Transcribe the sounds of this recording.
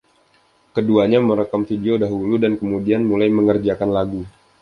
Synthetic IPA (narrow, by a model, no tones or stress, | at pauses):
kəduaɲaməɾəkamfideodaɦuludankəmudianmulajməŋərd͡ʒakanlaɡu